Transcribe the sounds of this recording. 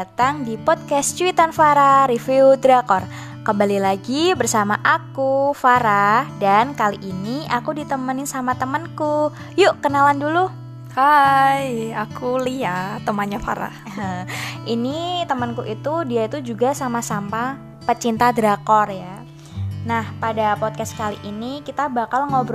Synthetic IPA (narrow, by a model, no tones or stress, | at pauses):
at̪aŋdipɔd̪̚kɛst͡ʃuwit̪anfaɾaɾifiud̪ɾakɔr | kəmbalilaɡibərsamaʔakufaɾahdankaliʔiniʔakudit̪əmənɪnsamat̪əmənku | juʔkənalandulu | hajakuliat̪əmanɲafa̰ɾa̰h | əʔinit̪əmənkuʔit̪udiait̪ud͡ʒuɡasamasampa | pət͡ʃint̪ad̪ɾakɔrja | nahpadapɔd̚kaskaliʔinikit̪abakalŋobɾ